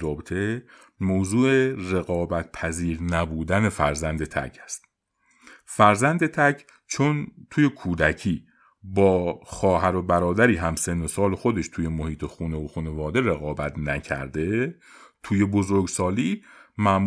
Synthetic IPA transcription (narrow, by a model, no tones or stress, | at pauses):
ɒːbet̪ʰe̞ | mowzuːere̞ɣɒːbæt̪̚pʰæziːɾnæbuːd̪æne̞fæ̰ɾzænd̪e̞t̪ʰæ̰cʰæst̪ | fæɾzænd̪et̪ʰæcʰ | t͡ʃʰont̪ʰuːje̞kʰuːd̪æcʰiː | bɒːxɒːɦæɾo̞bæɾɒːd̪æɾiːɦæmse̞nːosɒːlexo̞d̪e̞ʃt̪ʰuːje̞mohiːt̪ʰexuːnevoxuːne̞vɒːd̪e̞ɾe̞ɣɒːbæt̪ʰnæcʰæ̰ɾd̪e̞ | t̪ʰuːje̞bo̞zo̞ɾɡsɒːliːmæʔm